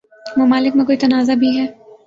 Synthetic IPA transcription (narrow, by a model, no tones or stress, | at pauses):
mʊmaːlɪkmẽkoːit̪ɐnaːzabʱiɦɛː